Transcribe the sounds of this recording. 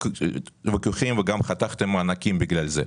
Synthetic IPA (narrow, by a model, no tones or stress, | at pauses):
vekuχimveɡamχat̪aχt̪emːanakimbiɡlalze